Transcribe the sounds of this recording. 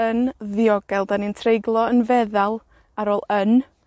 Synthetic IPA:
ənðɪɔɡ̥ɛlˠdanintʰrejɡlˠɔənvɛðalˠ | aɾoːlˠən

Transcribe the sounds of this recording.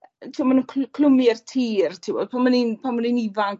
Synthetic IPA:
tʰiwmanunkʰkʰlʊmɪɛrtʰiːrtʰiwɔ̰d̥̚pʰamaninpʰamaninivaŋk

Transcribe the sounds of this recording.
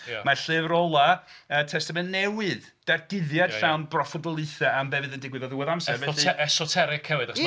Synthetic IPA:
maɬɨvrɔlˠaətʰɛstamɛnnːɛwɨð | d̥arɡ̥ɪðjad̥ɬawnbrɔfɔdɔlˠɨθɛambɛvɨðəndɪɡwɨðɔðəwəðamsɛvɛdiɛsɔtʰɛɾɪkʰːɛwɨda

